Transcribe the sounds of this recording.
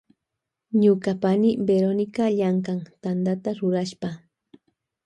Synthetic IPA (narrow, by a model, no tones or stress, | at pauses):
ɲʊkapanɪbeɾonɪkaʎaŋkaŋt̪and̪at̪aɾʊɾaʃpa